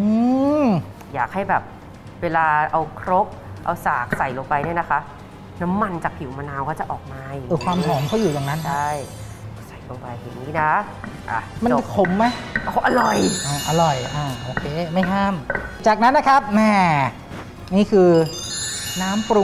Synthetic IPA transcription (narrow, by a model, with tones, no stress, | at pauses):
ʔɯː˧˦ | jaː˨˩k̚ha˥˩jbɛː˨˩p̚ | weː˧laː˧ʔa˧wkʰɾo˦˥p̚ʔa̰˧wsaː˨˩k̚sa˨˩jloː˧ŋpa˧jni˥˩ɐna˦˥kʰa˦˥ʔ | na˦˥mːa˧nt͡ɕaː˨˩k̚pʰi˨˩˦maː˧naː˧wkʰɔː˥˩t͡ɕa˨˩ʔɔː˨˩k̚maː˧ja˨˩˧kʰwaː˧m˦hʰɔː˩˦ŋkʰɔː˥˩juː˨˩t͡ɕaː˨˩kna˦˥nda˥˩j | sa˨˩jloː˧ŋpa˧jja˨˩ŋniː˦˥na˦˥ | ʔa̰˧˩ma˧kʰo˨˩˦mːa˦˥ʔa˧˩wʔa˧ɾɔ˨˩jʔaː˧˩ʔa˧ɾɔ˨˩jʔaː˧˩ʔoː˧˩kʰeː˧ma˥˩jɦaː˥˩mt͡ɕaː˨˩k̚na˦˥nːa˦˥kʰa˦˥p̚nɛː˧˩ | niː˥˩kʰɯː˧ | naː˦˥mpɾu˧